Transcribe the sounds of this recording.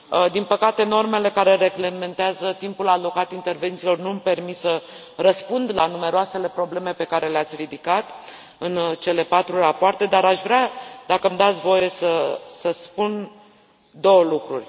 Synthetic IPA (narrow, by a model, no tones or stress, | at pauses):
d̪inpəkat̪e̞no̞rme̞le̞kaɾe̞ɾe̞ɡleme̞nt̪eazət̪impulalo̞kat̪int̪e̞rve̞nt̪silo̞rnumpe̞rmit̪sə | rəspund̪lanume̞ɾoase̞le̞pɾo̞ble̞me̞pe̞kaɾe̞leat̪sʲrid̪ikat̪ | ɨnt͡ʃe̞le̞pat̪ɾurapoart̪e̞d̪aɾaʃvɾead̪akəmd̪at̪sʲvo̞je̞səsəspun | d̪o̞wəlukɾṵrʲ